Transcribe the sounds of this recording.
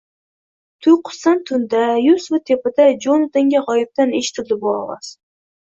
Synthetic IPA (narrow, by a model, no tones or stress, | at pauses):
t̪ʰʊjqʰʊ̥sant̪ʰʊnd̪ajʊsvʊt̪ʰepad̪ad͡ʒond̪aŋɡʲaʁɒjɪp̚t̪aneʃt̪ʰʊɾd̪ɪboɒ̰wa̰s